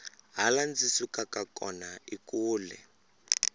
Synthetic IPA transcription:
ɦaland͡zisukakakɔnaikuːlɛ̰

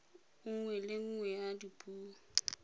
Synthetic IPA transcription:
ŋ̩ŋwɛlɪŋ̩ŋwɛjadipʼuː

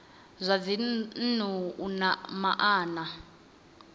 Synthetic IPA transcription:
zʷavin̩n̤uunamaʔaːna

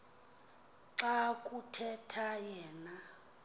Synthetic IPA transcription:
ǀakʼutʰɛtʰajɛːna

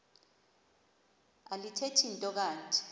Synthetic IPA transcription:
alitʰetʰintʼɔk̬aːnt͡ʃʼɛ̥

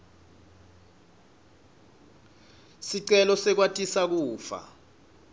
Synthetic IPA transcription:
siǀɛlɔsɛk̬watʼisak̬uːfa̰

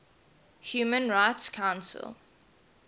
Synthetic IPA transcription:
hjuːmə̃nɹaɪtskʰãʊ̃nsə̰lˠ

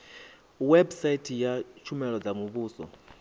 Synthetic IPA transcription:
wɛbsaitʰijat͡ʃʰumɛlɔd͡zamuβuːsɔ̰

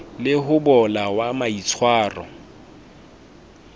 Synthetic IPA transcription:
lɪɦʊbɔlawamait͡sʰwaːrɔ̰

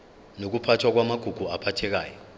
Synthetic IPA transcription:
nok̬upʰatʰwak̬wamaɡ̥ʱuɡ̥ʱuapʰatʰɛk̬a̰ːjɔ

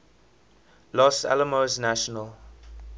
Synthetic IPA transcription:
lɔsɛ̰ləmoznaʃɔnəl

